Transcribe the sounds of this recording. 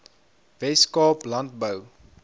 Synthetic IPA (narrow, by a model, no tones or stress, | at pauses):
vɛskɑːplɐntbəw